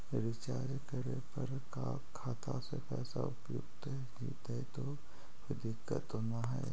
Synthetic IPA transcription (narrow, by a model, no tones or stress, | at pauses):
ɾɪt͡ʃaːd͡ʒkəɾepɐɾka | kʰaːt̪asepɛːsaʊpjʊ̰ɡt̪ɦɛd͡ʒḭːt̪ɦɛt̪o | ʋɪd̪ɪkːə̰t̪onaɦɛ